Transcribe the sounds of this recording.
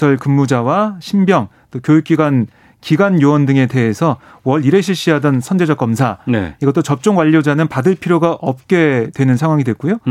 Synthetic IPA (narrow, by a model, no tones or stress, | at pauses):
sʰʌɭkɯmːud͡ʑawaɕʰimbjʌŋ | t͈okjojuk̚k͈iɡan | kiɡanjowʌndɯŋe̞te̞ɦesʰʌ | wʌɭiɾe̞ɕʰiɭɕ͈iɦadʌnsʰʌnd͡ʑe̞d͡ʑʌk͈ʌmsʰanḛiɡʌt͈ot͡ɕʌp̚t͡ɕ͈oŋwaʎːod͡ʑanɯnpadɯɭpʰiɾjoɡaʔʌp̚k͈e̞dwe̞nɯnsʰaŋɦwaŋidwe̞k͈ujo